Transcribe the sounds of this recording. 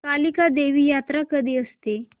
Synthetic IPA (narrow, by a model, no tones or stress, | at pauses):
kalikad̪eʋiːjat̪ɾakəd̪iːəst̪e